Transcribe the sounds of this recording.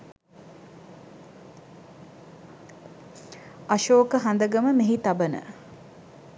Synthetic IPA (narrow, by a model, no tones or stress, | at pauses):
ɐʃoːkəɦand̪əɡəməmeɦit̪abənə̰